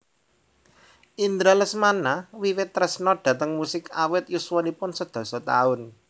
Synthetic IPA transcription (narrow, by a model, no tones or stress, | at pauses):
ʔind̪ɾaləsmanawiwɪt̪ːɾɛsnɔɖ̪̥ä̤t̪əŋmusɪkawɪt̪̚juswɔnipʊnsəd̪̥ɔ̤sɔt̪a̰ʊn